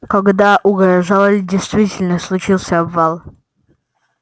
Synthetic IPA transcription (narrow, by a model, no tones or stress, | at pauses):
kɐɡd̪aʔʊɡɾɐʐalˠəlʲdʲɪjst̪vʲitʲɪlʲnəslˠʊt͡ɕilˠsʲəɐbvalˠ